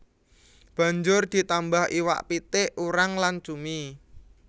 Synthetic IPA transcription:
b̥ä̤ɲd͡ʒʊrd̪̥i̤t̪ambahʔiwa̰ʔpit̪ɪʔuɾaŋlant͡ʃumi

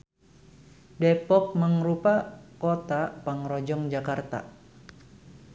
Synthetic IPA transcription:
depɔk̚məŋɾupakot̪apaŋɾod͡ʒɔŋd͡ʒakart̪a̰

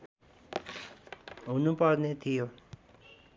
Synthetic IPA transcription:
unupʌd̪net̪ʰijo

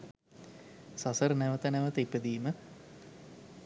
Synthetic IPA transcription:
sasəɾnæʋət̪ənæʋət̪ipəd̪iːmə

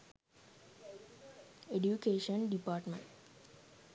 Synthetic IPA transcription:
eɖjukeːʃənɖipaːʈmə̰̃ɳʈ

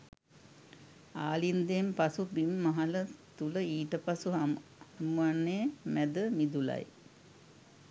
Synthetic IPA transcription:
aːlind̪empasubimːaɦɐlət̪uləiːʈəpasuamuʋanːemæd̪əmid̪ula̰j

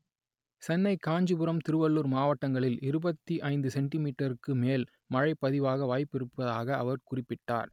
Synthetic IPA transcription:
sɛnːɐɪkaːɲd͡ʒɯbɯɾɐmt̪ɪɾɯʋɐɭːuɾmaːʋɐʈːɐŋɡɐɭɪlɪɾɯbɐt̪ːiʔɐɪnd̪ɯsɛɳʈɪmiːʈːɐɾɯkːɯmeːl | mɐɻɐɪpːɐðɪʋaːɣɐʋaːjpːɪɾɯpːɐðaːɣɐ̰ːʋɐɾkʊrɪpːɪʈːa̰ːɾ

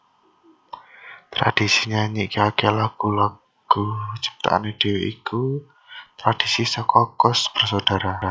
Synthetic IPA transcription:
t̪ɾa̰d̥isiɲaɲikiakelaɡ̥ula | ɡ̥ut͡ʃə̥b̚t̪a̰ʔa̰ned̥eweʔiku | t̪ɾad̥isisəkɔkɔsb̥ərsad̥a̤ɾa

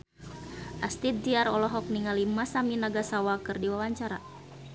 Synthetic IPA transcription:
ʔast̪it̪̚diaɾɔlɔɦɔk̚niŋalimasaminaɡasawakɨrdiwawaɲt͡ʃaɾa

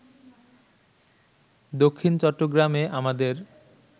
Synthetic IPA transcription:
d̪okʰːint͡ɕɔʈːoɡɾameʔamad̪eɾ

